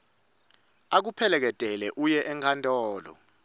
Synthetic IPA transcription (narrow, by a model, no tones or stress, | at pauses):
ak̬upʰɛlɛk̬ɛd̥ʱɛlɛʔujɛʔɛŋkʰantʼɔːlɔ̰